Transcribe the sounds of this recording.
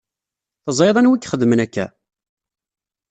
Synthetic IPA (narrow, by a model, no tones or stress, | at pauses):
θəzˤjðˤɑnwikːχəðːmənækːæ̰